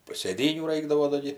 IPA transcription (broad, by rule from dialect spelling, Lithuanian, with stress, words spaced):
sʲeːˈdʲiːnʲuː ˈrɐɪɡdɐʋoː dɐ ˈɡʲɪ